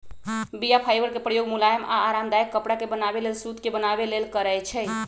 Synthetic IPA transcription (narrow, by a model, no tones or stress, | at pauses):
bijapʰajbəɾkepɾəjoɡmulajəmʔa̰ːɾamd̪ajəkːəpɽakebənabelelsut̪kebənabelelkəɾəjt͡ʃʰɛ